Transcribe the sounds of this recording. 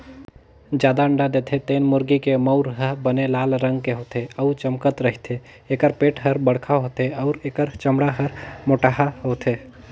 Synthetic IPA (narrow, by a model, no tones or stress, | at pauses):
d͡ʒjaːd̪aəɳɖad̪et̪ʰet̪eːnmʊɾɡikeməʊɾɦəbənelaːlɾəŋɡ̚keɦot̪ʰeəʊt͡ʃəmkət̪ɾəɦit̪ʰe | eːkəɾpeːʈɦəɾbəɽkʰaɦot̪eəʊɾekəɾt͡ʃəmɽaɦəɾmoʈaɦaɦot̪ʰe